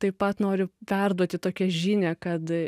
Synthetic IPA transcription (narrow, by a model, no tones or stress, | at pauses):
t̪ɐɪppɐt̪noːɾʲʊpʲɛrd̪uɔt̪ʲɪt̪oːkʲɛʒʲiːnʲɛkɐt̪